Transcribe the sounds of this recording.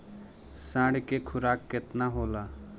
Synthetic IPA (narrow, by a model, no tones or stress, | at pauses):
sãːɽkekʰʊɾaːkːɪt̪naɦoːlaː